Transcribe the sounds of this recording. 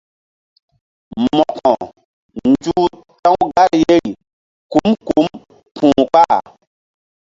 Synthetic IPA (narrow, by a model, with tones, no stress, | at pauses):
mɔ˨kʰɔ˨ | n˨d͡ʒu˦ | tã˦wɡa˦ɾje˦i˨ | ku˦mku˨˦m | pʰũ˨k͡pa˦˨